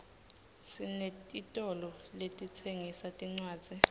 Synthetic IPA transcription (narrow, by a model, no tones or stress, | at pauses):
sinetʼitʼɔlɔletʼit͡sʰeŋisatʼiŋ͡ǀwaːdd͡z̥ʱi